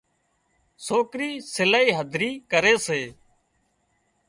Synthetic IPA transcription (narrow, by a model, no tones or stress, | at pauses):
soːkɾiːsɪlaːiːɦəd̪ʱɾiːkəɾeːseː